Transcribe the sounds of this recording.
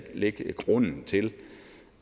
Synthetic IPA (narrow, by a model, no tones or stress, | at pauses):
leɡ̥ɡ̥ʁɔn̰n̩t͡sʰe̝l